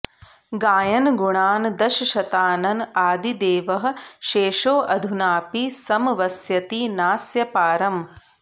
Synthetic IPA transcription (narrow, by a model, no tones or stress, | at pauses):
ɡaːjɐnɡuɳaːnd̪ɐʃɐʃɐt̪aːnɐnaːd̪id̪eːʋɐɦɐ̆ʃeːʃoːʔɐd̪ʱunaːpisɐmʋɐsjɐt̪inaːsjɐpaːɾɐm